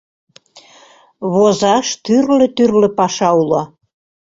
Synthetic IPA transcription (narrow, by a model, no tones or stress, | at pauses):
βozɑʃt̪yrlĕt̪yrlĕpɑʃɑulɑ